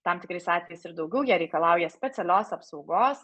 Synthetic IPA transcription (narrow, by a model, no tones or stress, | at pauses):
t̪ɑmt̪ʲɪkɾɐɪsɑːt̪ʲʋʲɛjɛɪsɪɾd̪ɐʊɡʲɛʊjɛːɾʲɛɪkɐlˠɑˑʊjɛsʲpʲɛsʲɛlʲoːsɐpsɒʊɡoːs